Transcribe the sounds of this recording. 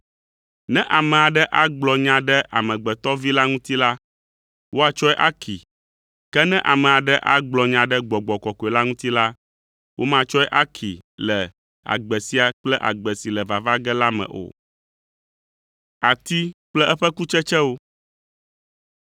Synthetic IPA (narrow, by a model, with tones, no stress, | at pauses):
nɛ̃˦ʔa˨mɛ̃˨a˨ɖɛ˦ʔa˦ɡ͡blɔ˨ɲã˨ɖɛ˦ʔa̰˨mɛ̃˨ɡ͡bɛ˨t̪ɔ˦vi˦la˦ŋũ˦t̪i˦la˦ | wo˦a˨t͡ʃɔ˦ɛ˦ʔa˦kʰi˨ | kɛ˦nɛ̃˦ʔa˨mɛ̃˨a˨ɖɛ˦ʔa˦ɡ͡blɔ˨ɲã˨ɖɛ˦ɡ͡bɔ˨ɡ͡bɔ˨kɔ˨kɔ˨ɛ˨la˦ŋũ˦t̪i˦la˦ | wʔo˦mã˦t͡ʃɔ˦ɛ˦ʔa˦kʰi˨lɛ˨ | a̰˨ɡ͡bɛ˨si˦a˨k͡plɛ˦ʔa̰˨ɡ͡bɛ˨si˨lɛ˨va˨va˦ɡɛ˦la˦mɛ̰̃˨ʔo̰˨ | a˨t̪i˦k͡plɛ˦ʔɛ˦ɸɛ˦ku˦t͡ʃɛ˦t͡ʃɛ˦wo˦